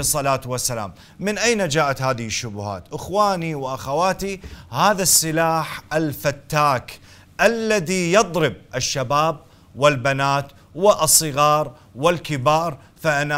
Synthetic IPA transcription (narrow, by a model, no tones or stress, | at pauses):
sˤːɑlaːt̪wasːala̰ːmː | ɪnʔajnad͡ʒaːʔat̪haːðɪhɪʃːʊbʊha̰ːt̪ʔɪxwaːniwʔaxawaːt̪ihaːðasːɪlaːħalfat̪ːaːk | ʔalːaðijɨd̪ˤɾɪb̚ʔɪʃːabaːb̚ | wɪlbanaːt̪ | wɪʔɑsˤːɨɣɑːɾˤ | wɪlkɪbɑːɾˤ | faʔana